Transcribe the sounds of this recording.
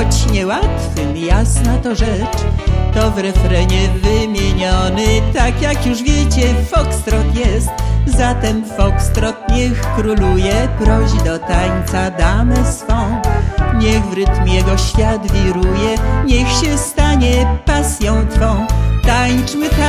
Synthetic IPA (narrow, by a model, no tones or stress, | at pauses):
ɔt͡ɕɲɛwat̪fɨmjasnat̪ɔʐɛt͡ʂt̪ɔvɾɛfɾɛɲɛvɘmʲjeɲɔnɘt̪akjakjuʂvʲjɛt͡ɕɛfɔkst̪ɾɔt̪jɛst̪zat̪ɛmfɔkst̪ɾɔt̪ɲɛxːɾulujɛpɾɔʑid̪ɔt̪aɲt̪sad̪amɛsfɔ̃w̃ɲɛɣvɾɘt̪mʲjɛɡɔɕfʲjat̪vʲiɾujɛɲɛxɕɛst̪aɲɛpasʲjɔ̃w̃t̪fɔ̃w̃t̪aɲt͡ʂmɘt̪a